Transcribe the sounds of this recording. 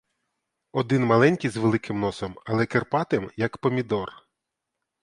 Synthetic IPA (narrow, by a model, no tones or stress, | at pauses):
ɔd̪ɪnmɐlˠɛnʲkʲijzʋelˠɪkʰɪmnɔsɔmɐlˠɛkerpɑt̪ɪmjɐkpɔmʲid̪ɔr